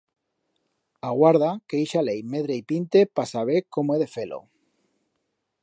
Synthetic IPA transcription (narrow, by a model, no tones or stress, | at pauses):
aɣwaɾð̞akeejʃalejmeðɾeipint̪e̞pasaβ̞ekomoeðe̞felʔo̰